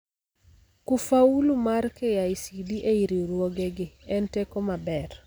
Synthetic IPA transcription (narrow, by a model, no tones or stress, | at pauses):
kufaulumarkejaisidiʔeiɾiɾwoɡɛɡɪɛntekɔmabɛr